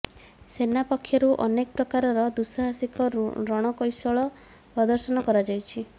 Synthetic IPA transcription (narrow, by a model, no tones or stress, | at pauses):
senapɔkʰːjɔɾuʔɔ̰nekɔpɾɔkaɾɔɾɔd̪usɔɦasikɔɾɔɽ̃ɔkɔjsɔɭɔ | pɾɔd̪ɔɾsɔnɔkɔɾad͡ʒajt͡ʃʰi